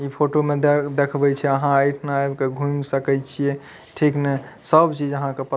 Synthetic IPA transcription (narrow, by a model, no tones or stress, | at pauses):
ipʰoʈomed̪ekʰbɛt͡ʃʰɛəɦãəjʈʰnaebkeɡʱũmsəkɛt͡ʃʰijɛ | ʈʰiknɛsəbt͡ʃid͡ʒəɦãkepə